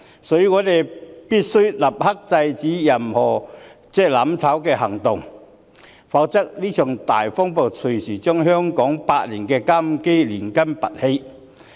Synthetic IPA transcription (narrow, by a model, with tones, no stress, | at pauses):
sɔː˨˥jy˨˧ŋɔː˨˧t̪e˨˩jpiː˥t̚sɵ˥ɥlɐ˨p̚hɐ˥k̚t͡sɐ˧jt͡siː˨˥jɐ˨˩mhɔː˨˩ | t͡sɛː˥lɐ˨˥mt͡sʰɐ˨˥wkɛː˧hɐ˨˩ŋt̪ʊ˨ŋ | fa˧˥k̚t͡sɐ˥k̚liː˥t͡ʃʰœ˨˩ŋt̪a̰ː˨jfɔ˥ŋpo˨˩wt͡sʰɵ˨˩siː˨˩t͡ʃœː˥ŋɦœː˥ŋkɔː˨˥ŋpaː˧t̚liː˨˩nkɛː˧kaː˥m̩˧ke˥jliː˨˩nkɐ˥mpɐ̰˨t̚he˧j